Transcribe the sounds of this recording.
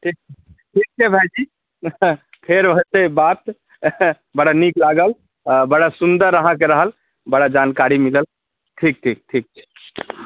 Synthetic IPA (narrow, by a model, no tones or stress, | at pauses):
ʈʰik̚t͡ʃʰɛ | ʈʰik̚t͡ʃʰɛbʱajd͡ʒi | pʰeɾʋət̪ebat̪ | bəɽaniklaɡəl | bəɽasund̪əɾːəɦãkeɾəɦəl | bəɽad͡ʒankaɾimiləl | ʈʰik̚ʈʰik̚ʈʰik̚t͡ʃʰɛ̥